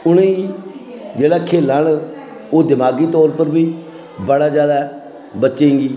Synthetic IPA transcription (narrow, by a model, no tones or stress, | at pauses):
ʊneiː | d͡ʒeːɽaːkʰeːlaːn | oːd̪ɪmaːɡiːt̪ɔːɾpəɾbiː | bəɽaːd͡ʒjaːd̪aː | bətːʃẽːŋɡiː